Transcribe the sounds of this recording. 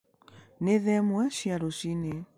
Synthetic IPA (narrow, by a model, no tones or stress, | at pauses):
neðɛmwaʃjaɾoʃine